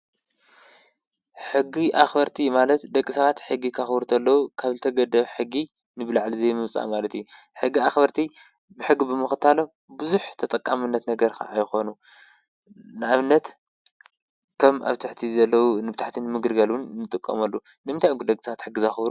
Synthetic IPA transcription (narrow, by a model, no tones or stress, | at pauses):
ħɨɡiʔaxbɐɾt̪ʰimalɐt̪d̪ɐkʼːɨsɐβat̪ħɨɡːikʰaxβɾut̪ʰɐlːɐwukʰaβzɨt̪ʰɐɡɐd̪ɐβħɨɡːi | nɨbɨlaʕlizejmɨmt͡sʼa̰malɐt̪juħɨɡːiaxbɐɾt̪ʰi | bɨħɨɡːibɨmɨxɨt̪ʰalo | bɨzuħt̪ʰɐt̪ʼɐkʼːamɨnːɐt̪nɐɡɐɾkʰa̰ʔːjxo̞nu | nɨaβɨnːɐt̪ | kʰɐmʔa̰βt̪ʰaħt̪ʰizɐlːɐwunɨbt̪ʰaħt̪ʰinɨmɨɡɨlɡɐlwʊnnːɨt̪ʼɨkʼːɐ̰mɐlːu | nɨmɨnt̪ʰajukʰd̪ɐkʼɨsɐβat̪ħɨɡːizaxβɾu